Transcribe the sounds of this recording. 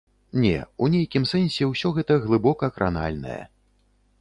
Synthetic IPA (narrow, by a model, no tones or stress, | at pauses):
nʲɛ̰unʲejkʲimsɛnʲsʲɛwsʲɔɣɛt̪ɐɣlˠɨbɔkɐːkɾa̰na̰lʲnɐ̰jɐ̰